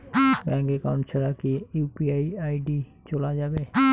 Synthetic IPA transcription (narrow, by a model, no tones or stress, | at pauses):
bɛ̃ŋkekawɳʈselakiupiaiajɖi | t͡ɕolad͡ʑabe